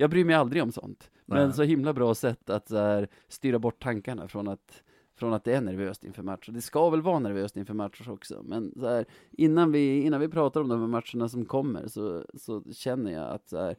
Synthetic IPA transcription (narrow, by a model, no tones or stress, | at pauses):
jɑːɡbɾyːɾmɛjald̪ɾɪɡɔmsɔ̰nt̪ | mmɛns̬ɔɦɪmlabɾɑːsɛt̪ːat̪sɔhæɾ | st̪yːɾabɔʈ̚ːt̪ʰːaŋkaɳa̰fɾɔnat̪ | fɾɔnat̪̚d̪ɛæɳæɾvøːst̪ɪ̰nfœːɾmat̪ʂʊd̪ɛskavɛlvɑːɾnæɾvøːst̪ɪnfœːɾmat̪ʂʊɾɔksɔ̰mɛnsɔhæːɾ | ʔɪnːanvɪɪnːanvɪpʰɾɑːt̪aɾɔmd̪ɔmhæmːat̪ʂəɳas̬ɔmkʰɔmːə̰ɾsɔsɔɕɛnːəɾja̰a̰t̪sɔhæ̰ːɾ